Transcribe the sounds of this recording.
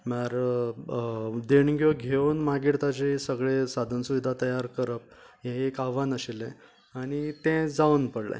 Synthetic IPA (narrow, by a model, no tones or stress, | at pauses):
maɾ | d̪eɳɡʱjoɡʱewnmaɡiɽt̪ad͡ʑesəɡɭesad̪ʱənsuʋid̪ʱat̪əjaɾkəɾəp̚ | jẽekaʋanəɕelɛ̃ | aɽ̃it̪ɛ̃d͡zaunpəɽlã̰